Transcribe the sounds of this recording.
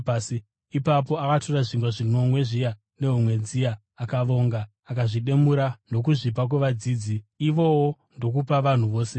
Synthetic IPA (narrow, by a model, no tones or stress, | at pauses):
pːsi | ipap̬o̞akatoraʐiŋɡwaʐino̞mwe̞ʐija | ne̞ɦumwe̞d͡zijaː | kaʋo̞ŋɡaːkaʐiɗe̞muɾano̞k̬uʐipak̬weʋad͡ziːd͡ziːʋo̞wo | ndo̞kupaʋan̤uʋo̞ːse̞